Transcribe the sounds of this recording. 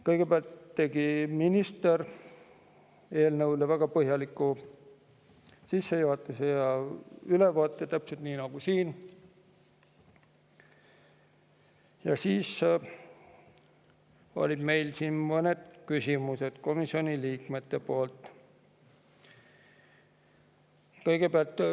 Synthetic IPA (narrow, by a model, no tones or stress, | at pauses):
kɤjɡ̥e̞peɑlt̪ːe̞ɡ̥iminist̪eɾ | e̞ːlnɤwlevæɡ̥ɑpɤɦjɑlikːˑu | sisːejuɦɑt̪ːˑɑsejɑylevoɑt̪ːˑet̪æpse̞lt̪niːnɑɡ̥usiːn | jɑsiːs | o̞̰lʲid̪̥me̞jlsinmɤned̪̥kysʲimuse̞d̪̥ko̞misio̞nʲiliːkme̞t̪ːe̞poːlt̪ːˑ | kɤjɡ̥e̞peɑlt̪ː